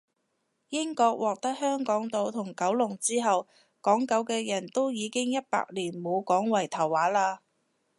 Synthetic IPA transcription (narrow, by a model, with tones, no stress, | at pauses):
jɪ˥ŋkɔː˧k̚wɔː˨k̚t̪ɐ˥k̚hœː˥ŋkɔː˨˥ŋt̪o˨˧wt̪ʰʊ˨˩ŋkɐ˨˥wlʊ˨˩ŋt͡siː˥ɦɐ˨w | kɔː˨˥ŋkɐ˨˥wkɛː˧jɐ˨˩nt̪o˥wjiː˨˧kɪ˥ŋjɐ˥t̚pa̰ː˧k̚liː˨˩nmo˨˧wkɔː˨˥ŋwɐ˨˩jt̪ʰɐ˨˩wːaː˨˥laː˧